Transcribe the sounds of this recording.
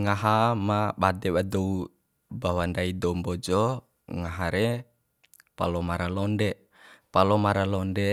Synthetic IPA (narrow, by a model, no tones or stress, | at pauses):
ŋaɦamabadɛwadɔu | bawandaidɔmbɔd͡ʒɔ | ŋaɦaɾe | pa̰lɔmaɾalɔndɛ | palɔmaɾalɔndɛ